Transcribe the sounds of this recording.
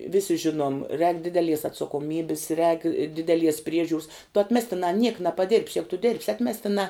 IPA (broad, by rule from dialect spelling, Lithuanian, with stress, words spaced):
ˈʋʲɪsʲɪ ˈʒʲɪnuɔm rʲɛːk ˈdʲɪdʲɛlʲiɛs ɐtsɐkoːˈmʲiːbʲɪs rʲɛːk ˈdʲɪdʲɛˌlʲiɛs ˈpʲrʲiɛʒʲuːrs tʊ ɐtʲˈmʲæːsʲtʲɪnɑː nʲiɛk nɐpɐˈdʲɪrʲpʲs ˈjæːɡʊ tʊ dʲɪrʲpʲs ˈɑːtʲmʲɛsʲtʲɪnɑː